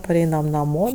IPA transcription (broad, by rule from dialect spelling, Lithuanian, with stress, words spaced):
pɐˈrʲɛɪnɐm nɐˈmoː